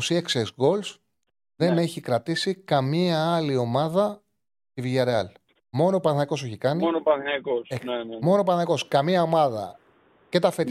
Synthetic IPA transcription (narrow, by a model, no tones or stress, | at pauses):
osieksesɣo̞ls | ðe̞ne̞çikɾɐt̪isikɐmiɐɐlio̞mɐðɐ | t̪iviʝɐɾeɐl | mo̞nopɐθnɐkose̞çikɐnionopɐnɐkosemo̞nopɐθnɐko̞skɐmiɐo̞mɐðɐ̰ | ce̞t̪ɐfet̪